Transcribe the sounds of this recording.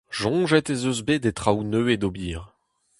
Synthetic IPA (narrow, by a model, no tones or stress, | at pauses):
ʒɔ̃ːʒɛt̪ezøzbed̪et̪χawnøːed̪obiːʁ